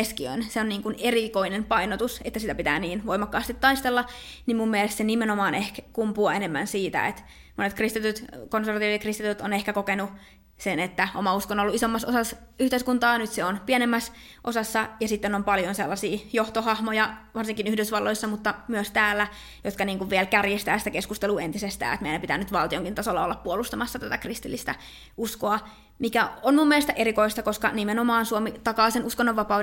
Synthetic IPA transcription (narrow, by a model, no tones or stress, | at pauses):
eskiø̰inseonniːŋkunerikoinempɑinot̪uset̪ːæsit̪æpit̪æ̰ːniːnʋoimɑkːɑːst̪it̪ːɑist̪elːɑnimmumːiælest̪senimenomɑːnehkkumpuɑenemːæ̰nsiːt̪æ̰ḛt̪ | monet̪̚krist̪it̪yt̪konserʋɑt̪iːʋiekrist̪it̪yt̪onehkækokenu | senet̪ːæomɑuskonolːuisomːɑsosɑs | yht̪eiskunt̪ɑːnyt̪seonpiænemːæs | ʔosɑsːɑjɑsit̪ːenompɑljonselːɑsiːjoht̪ohɑhmojɑʋɑrsiŋkinyhdøsʋɑlːoisːɑmut̪ːɑmyøst̪æːlːæ | jot̪kɑniːŋkuʋʋiɛlkærjest̪æːsit̪ækeskust̪eluːent̪isest̪æ̰ːet̪meilæmpit̪æ̰ːnyt̪ʋɑlt̪ioŋkint̪ɑsolːɑo̰lːɑppuolust̪ɑmɑsːɑt̪æt̪ækrist̪ilːist̪æ | uskoɑ | mikæonmumːielest̪ʔeɾikoist̪ɑkoskɑ̰nimenomɑːnsuomit̪ɑkɑːsenuskonːoʋɑpɑu